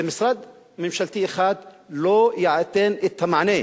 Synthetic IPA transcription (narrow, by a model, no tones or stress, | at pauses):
mɪsɾˤɑd̪ | mɪmʃalt̪iːxaːd̪loːjaʕat̪ːeːnɪt̪ʰːamaʕneː